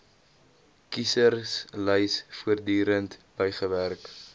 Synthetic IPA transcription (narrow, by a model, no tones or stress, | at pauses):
kisərsləjsfuərdyːɾəntb̥əjχəværk